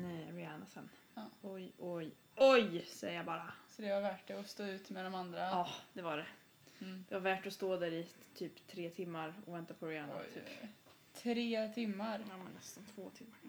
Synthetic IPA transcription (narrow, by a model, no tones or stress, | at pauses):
ɾɪanasɛnː | ɔjʔɔj | ʔɔjsɛjəjabɑːɾasɔd̪ɛvaɾvæʈːɛɔst̪oːʉ̟ːt̪mɛd̪ɔmand̪ɾaɑːd̪̥ɛvaɖɛ | d̪̥ɛvaɾvæːʈɔst̪oːd̪æɾɪt̪ʰyːpt̪ʰɾeːt̪ʰɪmːaɾɔ̰vɛnt̪apʰɔɾɪanat̪ʰy̰ːp | t̪ʰɾeːt̪ʰɪmːaɾjamɛnːɛst̪ant̪ʰvoːt̪ʰɪmːaɾ